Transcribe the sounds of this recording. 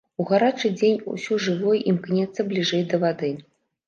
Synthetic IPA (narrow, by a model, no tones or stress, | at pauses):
uɣaɾat͡ʂɨd͡zʲenʲṵsʲɔʐɨvɔjʔimknʲɛt̪sːɐblʲiʐɛjd̪ɐvad̪ɨ